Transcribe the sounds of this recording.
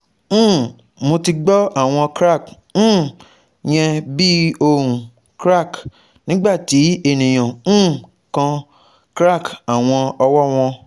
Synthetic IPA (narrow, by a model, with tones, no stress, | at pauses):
mo˧ti˧ɡ͡bɔ˦a˦˨w̃ɔ̃˧kɾa˦˨k̩ː˦ | j̃ɛ̃˧bi˦o˧ũ˨ | kɾa˦˨k | nĩ˨˦ɡ͡ba˦˨ti˨˦e˦˨nĩ˨j̃ã˨˦ | kã˧ | kɾa˦˨ka˨w̃ɔ̃˧ɔ˧wɔ˦w̃ɔ̃˧